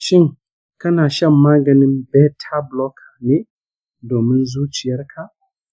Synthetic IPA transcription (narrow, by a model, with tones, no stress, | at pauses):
ʃɪ˦ŋ | kɐ˦naː˨ʃɐ˦mːaː˦ɡɐ˨nɪ˦mbɛ˦tʰa˦blɔ˦kʰḁ˨ne˦ | doː˨mɪ˦nzuː˦t͡ʃɪ˨jɐ˦ɾkʰa˨